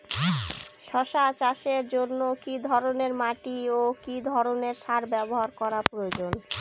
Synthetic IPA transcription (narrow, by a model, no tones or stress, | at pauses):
ʃɔʃat͡ɕaʃeɾd͡ʑonːokid̪ʱɔɾoneɾmaʈiokid̪ʱɔɾoneɾʃaɾbɛboɦaɾkɔɾapɾood͡ʑon